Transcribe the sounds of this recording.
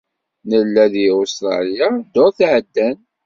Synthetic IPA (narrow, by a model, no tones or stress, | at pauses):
nəlːæðiust̪ɾˤɑ̰lijad̪oɾθʕəd̪ːæn